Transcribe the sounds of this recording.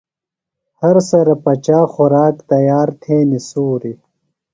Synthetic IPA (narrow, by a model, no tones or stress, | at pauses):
hɐɾsɐɾɐpɐt͡ɕaːxuɾaːkt̪ɐjaːɾt̪ʰeːnisuːɾi